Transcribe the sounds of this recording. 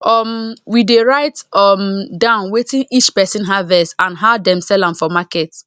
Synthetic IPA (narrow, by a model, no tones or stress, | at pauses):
ɔmwideɹaɪtɔmdãʊ̃nwetĩnʔit͡ʃpɛsĩnɦavɛsãnɦadɛ̃msɛlãmfɔmakɛt